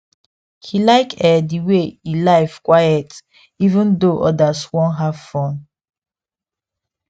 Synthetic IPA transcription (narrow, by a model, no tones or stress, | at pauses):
hilaɪkɛdiweilaɪfkwajɛt | ivũndoʔɔdaswɔ̃nɦav̥fɔ̃n